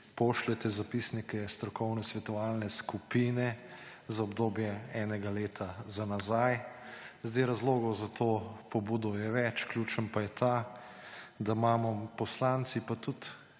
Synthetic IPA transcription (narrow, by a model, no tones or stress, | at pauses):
poːʃlɛt̪ɛzapisnikɛst̪ɾɔkɔwnɛsʋɛt̪ɔʋaːlnɛskupiːnɛ | zaɔbd̪oːbjɛɛːnɛɡaleːt̪ʰazanazajzd̪ɛɾazloːɡɔzat̪ʰoːpɔbuːd̪ɔjɛʋɛt͡ʃklʲjut͡ʃənpajɛt̪ʰa | d̪amaːmɔpɔslant̪sipat̪ut̪